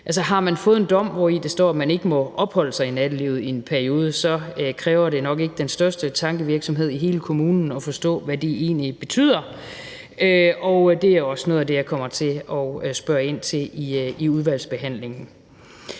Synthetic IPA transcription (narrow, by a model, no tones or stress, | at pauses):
ʔælsɐɦɑ̈mænfɔ̽ːð̞ˠend̥ɒ̽m̰ʋɒid̥e̝sd̥ɒ̰ːæmæne̝ɡ̥əmɒ̽ʔɒ̽b̥hɒ̽l̰əsɑ̈ɪinæd̥əliʊð̩ˠienpʰæɐio̝ːð̞ˠəsɒ̽kʰʁɛːʊɐɾe̝nɒ̽ɡ̥e̝ɡ̥əd̥ensd̥ɶɐsd̥ət͡sʰɑ̈ŋɡ̥əʋiɐɡ̥sɒ̽mɦe̝ð̞̰ˠiɦe̝ːləkʰo̝muːnn̩ɒ̽fɒ̽sd̥ɔ̰̽ːʋæd̥e̝e̝̰ːnlib̥e̝t͡sʰy̰ːð̞̰ˠɐ | øɒʊd̥e̝æɒ̽snoːð̞̩ˠæd̥e̝jɑ̈kʰɒ̽m̰ɐt͡sʰe̝ɒsb̥ɶːɐe̝n̰t͡sʰe̝liiuðˠʋæl̰sb̥e̝ɦæn̰le̝ŋn̩